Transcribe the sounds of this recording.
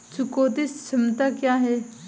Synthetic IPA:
t͡ʃukoːt̪ɪst͡ʃʰɐmt̪akjaːɦɛː

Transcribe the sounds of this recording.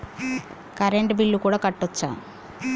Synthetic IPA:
kɐɾeɳʈbilːukuːɽaːkɐʈːɔt͡ʃːa̰ː

